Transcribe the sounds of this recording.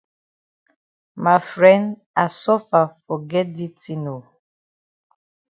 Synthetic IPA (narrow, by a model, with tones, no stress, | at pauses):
ma˨fɾɛ̃˦nd | a˨sɔ˦fa˨fɔ˨ɡɛ˦di˦ti˨no˨